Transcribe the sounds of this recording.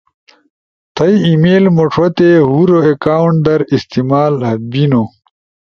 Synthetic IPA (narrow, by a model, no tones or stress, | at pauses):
t̪ʰɐjimeːlmoʈ͡ʂʰot̪eɦuɾoekaːwɳʈd̪ɐɾist̪imaːlɦɐbino